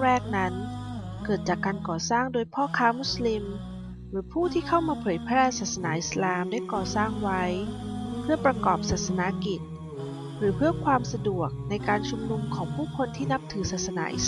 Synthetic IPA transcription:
ɾɛː˥˩k̚na˦˥nkɤː˨˩t̪̚t͡ɕaː˨˩kːaː˧nkɔː˨˩saː˥˩ŋdoː˧jpʰɔː˥˩kʰaː˦˥mu˦˥sli˧m | ɾɯː˩˦pʰuː˥˩t̪ʰiː˥˩kʰa˥˩wmaː˧pʰɤː˨˩˦jpʰɾɛː˥˩saː˨˩t̪̚sa˧naː˩˦ʔi˨˩slaː˨mdaː˥˩jkɔː˨˩saː˥˩ŋwa˦˥j | pʰɯ˥˩ɐpɾa˧kɔː˨˩p̚saː˨˩t̪̚sa˧na˧˦˥ki˨˩t̪̚ | ɾɯː˩˦pʰɯ˥˩ɐkʰwaː˧msa˧du˨˩ək̚na˧jkaː˧nt͡ɕʰu˧mnu˧mkʰɔː˩˦ŋpʰuː˥˩kʰo˧nt̪ʰiː˥˩na˦˥p̚t̪ʰɯː˩˦saː˨˩t̪̚sa˧na̰ː˩˦ʔḭ˨˩s

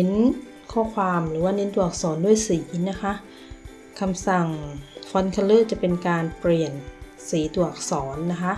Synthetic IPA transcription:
ne˦˥n | kʰɔː˧˥˩kʰwaː˧mɾɯː˩˦waː˧˥˨ne˦˥ntu˨˩ɐk̚sɔː˩˦ndu˥˩ə˨jsiː˩˦na˦˥kʰa˦˥ʔ | kʰa˧msa˨˩ŋfɔ˧˥nkʰa˧lɤː˥˨t͡ɕa˨˧˩pe˧nkaː˧npli˨˩ən | siː˨˦t̪u˨˩ɐk̚sɔː˩˦nːa˦˥kʰa˦˥ʔ

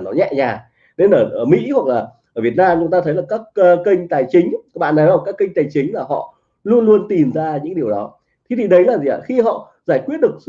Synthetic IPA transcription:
nɔ˨˦ɲɛ̰˧˨ɲaː˨˩ | ne˧nʔəː˧˩ʔəː˧˩mḭ˧˥hwa˨˩k̚laː˨˩ | ʔəː˧˩vi˨˩ət̚naː˧mt͡ɕʊ˨˦ŋ͡mt̪aː˧ə˨˦jlaː˨˩kaː˦˥k̚ːkï˧ŋ̟t̪aː˨˩jt͡ɕï˨˦ŋ̟a˦˥ɓa̰ː˧˨nə˨˦jaː˨˩kaː˦˥kːi˧ŋ̟t̪aː˨˩jt͡ɕï˨˦ŋ̟laː˨˩ɦɔ̰˧˨ | lu˧ənlu˧ənt̪i˨˩mzaː˧ɲɨ̰˧˥ŋɗi˨˩əwɗɔ˨˦ | t̪ʰi˨˦t̪ʰi˨˩ɗə˨˦jlaː˨˩zi˨a̰ː˧˨˩xi˧ɦɔ̰˧˨ | zaː˧˩jkwi˦˥ət̚ɗɨ˨˩ək̚s

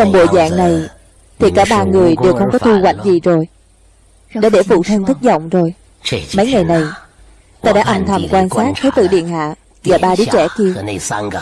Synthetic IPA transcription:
t͡ɕɔ˧ŋ͡mɓo̰˧˨jza̰ː˧˨ŋna˨˩j | t̪ʰi˨˩kaː˧˩ɓaː˧ŋɨ˨˩əjɗe˨˩wxə˧wŋ͡mkɔ˨˦t̪u˧kwa̰˧˨jŋ̟zi˨˩zo˨˩j | ɗ̰a̰˧˥ɗe˧˩fṵ˧˨t̪sʰə˧nt̪ʰɨ˦˥k̚zɔ̰˧˨wŋ͡mzo˨˩j | mə˨˦jŋa˨˩jna˨˩j | t̪aː˧ɗa̰ː˧˥ʔə˧nt̪ʰə˨˩mkwaː˧nsaː˦˥k̚t̪ʰə˨˦jt̪ɨ̰˧˨ɗḭ˧˨ənha̰ː˧˨ | zaː˨˩ɓaː˧ɗi˨˦t͡ɕɛ˧˩k̪i˧əw

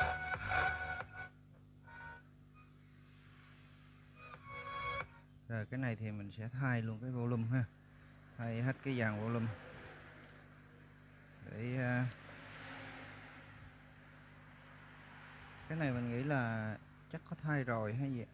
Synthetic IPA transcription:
zəː˨˩kaː˨˦jna˨˩jt̪ʰi˨˩mï˨˩ŋ̟sɛ̰˧˥t̪ʰaː˧jlu˧ənkaː˨˦jvo̰˧˨lʊ˧˩ŋ͡mɦaː˧˩ | t̪ʰaː˧jɦe˦˥t̚kaː˨˦jzaː˨˩ŋvo̰˧˨lʊ˧m | ɗḛ˧˩aː˧ | kaː˨˦jna˨˩jmï˨˩ŋ̟ŋḭ˧˥laː˨˩ | t͡ɕa˦˥kkɔ˨˦t̪ʰaː˧jzo˨˩jɦaː˧˦jzḭ˧˨

